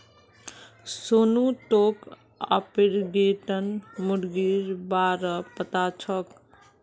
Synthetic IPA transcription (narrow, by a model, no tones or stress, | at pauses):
sonuʈok | a̰piɾɡeʈənmuɾɡiɾbaɾəpət̪at͡ʃʰək